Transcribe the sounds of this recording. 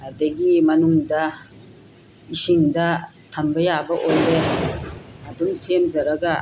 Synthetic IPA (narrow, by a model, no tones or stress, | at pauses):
ɐdɐɡimɐnuŋdɐ | isiŋdɐ | tʰɐmbɐjabɐʔojde | ɐduŋsiemzɐɾɐɡɐ